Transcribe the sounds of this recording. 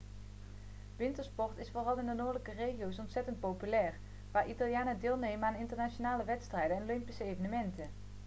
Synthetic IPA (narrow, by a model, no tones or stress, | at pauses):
ʋɪntəɹspɔɹtɪsfoːrɑlˠɪndənoːɹdələkərejχijowsɔntsɛtənt̚powpylɛːr | ʋaːɹʔitalˠjaːnədɪːlˠnejmənaːnɪntəɹnat͡ʃonaːləʋɛtstrɛjdənɛnolɪmpisəejvənəmɛntə